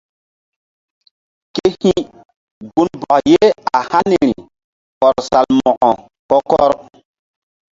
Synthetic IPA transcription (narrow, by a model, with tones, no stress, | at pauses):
ke˦hĩ˦ | ɡu˦nbɔ˨kje˦a˨ha˦ni˨ɾi˨ | kɔ˨ɾsa˨lmɔ˨ʔɔ˨ | kɔ˦kɔ˦ɾ